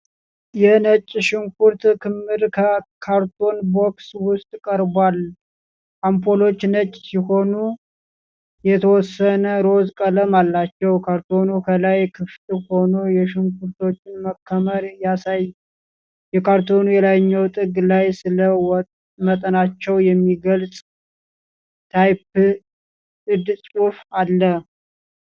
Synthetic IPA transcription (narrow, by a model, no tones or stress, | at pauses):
jɛnət͡ʃʼːʃɪŋkuɾt̪kʰɨmːɨɾkʰəkʰaɾt̪ʰo̞nbokswʊst̪ʼkʼəɾbwal | ʔampʰo̞lo̞t͡ʃːnət͡ʃʼːsiho̞nu | jɛt̪ʰəwɔsːənəɾo̞zkʼələmalːat͡ʃːɛwkʰaɾt̪ʰo̞nukʰəlajkʰɨft̪ho̞nojɛʃɪmkuɾt̪o̞t͡ʃːɪnməkʰːəməɾjasaj | jɛkʰaɾt̪ʰo̞nujɛlaɲːəwt̪ʼɨɡlajsɨləw | mət̪ʼənat͡ʃːɛwjɛmːiɡəlsʼ | t̪ʰajp̚ | ɨd̪sʼufalːə